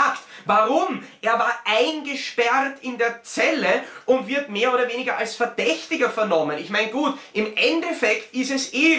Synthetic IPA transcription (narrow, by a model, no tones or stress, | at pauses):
ktvaʁʊmʔeːɐvaːɐʔaɪnɡəʃpɛʁtɪndeːɐt͡sɛləʔʊntv̥ɪɐtmeːɐoːɾɐveːnɪɡɐʔalsfɛɐd̥ɛçtɪɡɐfɛɐnɔmənɪçmaɪnɡ̥uːtʔɪmʔɛndɛfɛktɪstɛseː